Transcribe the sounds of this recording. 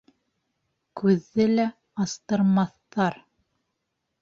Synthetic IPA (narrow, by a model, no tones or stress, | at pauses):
kʉðːɘlæ | ɑst̪ɤ̆ɾmɑθːɑɾ